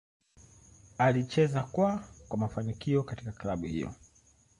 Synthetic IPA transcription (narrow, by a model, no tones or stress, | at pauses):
alit͡ʃɛzakwakwamafanikiɔkatikaklaɓuhḭjɔ̰